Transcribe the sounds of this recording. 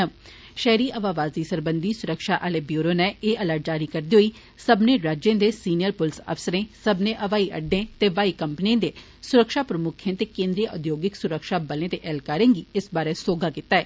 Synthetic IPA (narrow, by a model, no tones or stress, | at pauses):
ʃɛːɾiːʔəʋaːʋaːziːsəɾbə̃nd̪iːsʊɾəkʃaːʔəleːbjuːɾoːnɛeːʔələːʈ̚d͡ʒaːɾiːkəɾd̪iːɦoːiː | səbnẽːɾaːd͡ʒẽːd̪eːsiːnijəɾpʊlsə̰fsəɾẽːsəbnẽːʔəʋaːiʔə̰ɖːẽːt̪eːʋaːiːkəmpniẽːd̪eː | sʊɾəkʃaːpɾəmʊkʰẽːt̪eːkẽːnd̪ɾijəʔʊd̪joːɡɪksʊɾəkʃaːbəlẽːt̪eʔɛːlkaːɾẽːɡiːɪsbaːɾeːsoːɡaːkɪt̪ːaːɛː